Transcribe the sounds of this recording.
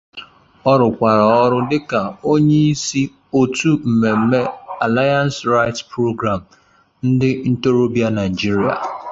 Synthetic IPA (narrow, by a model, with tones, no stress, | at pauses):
ɔ˦ɾʊ˨kʷa˨ɾa˨ɔ˦ɾʊ˦dɪ˦ka˨o˦ɲe˦i˦si˦ | o˦tu˦m̩˨me˨m̩˦me˦a˨la˦ja˦nsɾa˦ɪ˦tspɾo˦ɡɾa˨m̩˨ | n̩˦dɪ˦n̩˦to˦ɾo˦bja˦na˨ɪ˨d͡ʒi˦ɾi˨a̰˨